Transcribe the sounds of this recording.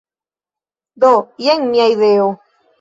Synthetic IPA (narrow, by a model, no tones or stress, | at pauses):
d̪ojeŋmĩajðeo